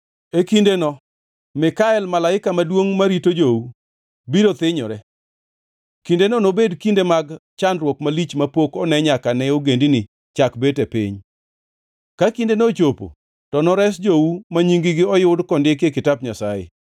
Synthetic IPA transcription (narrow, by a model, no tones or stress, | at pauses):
ekindenɔ | mɪkaɛlmalaɪkamadwoŋmaɾitod͡ʒowu | biɾot̪ɪɲɔ̰ɾɛ | kindenɔnobedkindemaɡ | t͡ʃandɾwokmalit͡ʃmapokɔnɛɲakanɛoɡendinɪ | t͡ʃakbetɛpḭɲ | kakindenot͡ʃopo̰ | tɔnɔɾɛs̬d͡ʒowumaɲiŋɡɪɡɪɔjʊdkɔndɪkekɪtap̚ɲasajḛ